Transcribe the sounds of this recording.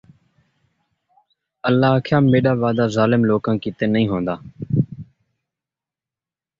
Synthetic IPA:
əlːaːaːkʰjãːmeːɗaːʋaːd̪aːzaːlɪmloːkãːkiːt̪eːnəĩːɦõːnd̪aː

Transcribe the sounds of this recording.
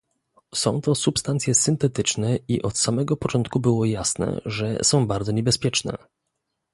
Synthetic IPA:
sɔ̃w̃t̪ɔsupst̪ant̪sʲjɛsɘnt̪ɛt̪ɘt͡ʂnɛiʔɔt̪samɛɡɔpɔt͡ʂɔnt̪̚kubɘwɔjasnɛ̰ʐɛ̰sɔ̃w̃baɾd̪zɔɲɛbɛspʲjɛt͡ʂnɛ̰

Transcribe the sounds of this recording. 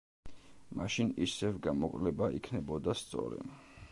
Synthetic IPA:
maʃinisɛvɡamɔkʼlɛbaʔikʰnɛbɔd̪ast̪sʼɔ̰ɾɛ̰

